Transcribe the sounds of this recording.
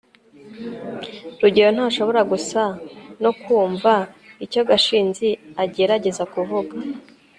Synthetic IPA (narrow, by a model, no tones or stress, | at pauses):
ɾuɟeɾon̥haːʃo̞βo̞ɾaɡusano̞kwuːɱvaico̞ɡaʃiːnziaɟe̞ɾaɟe̞zakuvuɡa